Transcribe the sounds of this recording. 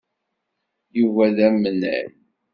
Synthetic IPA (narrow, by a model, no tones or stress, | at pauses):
juvæðæmːənːæ̰l